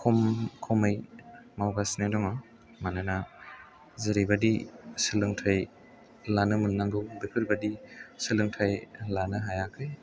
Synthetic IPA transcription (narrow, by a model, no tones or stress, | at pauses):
kʰɔmkʰɔmɯjmawɡasnedɔŋa | manɯna | zɯɾibadisɯlɯŋtʰaj | lanɯmɯnːaŋɡɯwbikʰɯɾbadisɯlɯŋtʰajlanɯɦajakʰɯj